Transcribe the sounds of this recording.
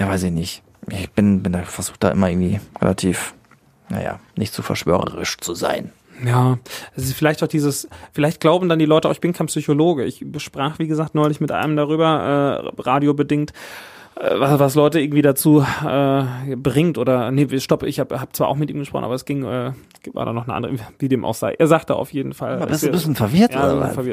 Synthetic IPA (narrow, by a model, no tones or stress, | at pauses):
jaːvaɪsɪçnɪçt | ʔɪb̥ɪnbɪndaːfɛɐzuːxd̥a̰ːʔɪ̰mɐʔɪ̰ɡŋ̩tiːʁɛ̰lʔa̰tʰiːf | na̰ja̰ːnɪçtz̥uːfɛɐʃv̥ø̰ːʁə̰ʁɪ̰ʃt͡suza̰ɪn | jaːʔɛsɪsfɪlaɪçtaʊxd̥iːzəsfɪlaɪçt̚ɡ̥laʊbm̩dandiːlɔʏtəaʊɪçb̥ɪnkʰaɪnpsyçoloːɡəɪ̰çbəʃpʁ̥aːχv̥iːɡəzaːk̚tnɔʏlɪçmɪtʔa̰ɪnəmdaʁ̞yːbɐʔɛ̰ːʁaːdjobədɪŋt | ʔɛ̰ːvasvaslɔʏtəɪɐɡŋ̩tv̥iːdat͡suːʔɛːbʁɪŋtʔoːɾɐnəvʃtɔpɪ̰çhaːbhaːb̥ət͡sv̥aːʔaʊxmɪtʔiːmɡəʃpʁɔ̰χnʔaːbɐɛsɡ̥ɪŋʔɛː | va̰ɐda̰ːnɔχnəʔa̰ndəʁəviːdeːmʔa̰ʊxz̥a̰ɪʔeːɐzaːktd̥a̰ʔa̰ʊfjeːdn̩fa̰lɪsbɪsnfɛɐvɪɐtjaːs̩fɛɐvɪɐt